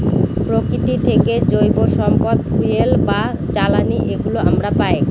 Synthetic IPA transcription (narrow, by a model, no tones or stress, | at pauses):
pɾokit̪it̪ʰeked͡ʑojboʃɔmpad̪̚fujelba | t͡ɕalaniʔeɡuloa̰mɾapae